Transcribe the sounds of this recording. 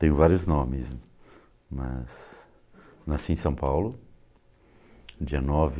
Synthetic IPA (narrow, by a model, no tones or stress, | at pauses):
t̪ẽj̃ʊvaɾjʊznõmɪs | mɐ̰z | nasiẽsɐ̃w̃pawlʊ | d͡ʒiɐnɔvɪ